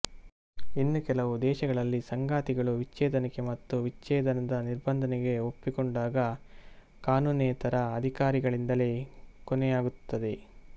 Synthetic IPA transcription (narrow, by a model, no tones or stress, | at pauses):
inːukɛlɐʋud̪ɛːʃɐɡɐɭɐlːisɐŋɡaːt̪iɡɐɭuʋit͡ʃːɛːd̪ɐnɐkemɐt̪ːuʋit͡ʃːɛːd̪ɐnɐd̪ɐniɾbɐnd̪ʱɐnɛɡe̞opːikoɳɖaːɡɐ | kaːnuːneːt̪ɐɾɐːd̪ʱikaːɾiɡɐɭind̪ɐle̞konejaːɡut̪ːɐd̪e̞